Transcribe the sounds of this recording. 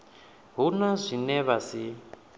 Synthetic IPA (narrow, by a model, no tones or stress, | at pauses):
ɦunɔzʷinɛβasi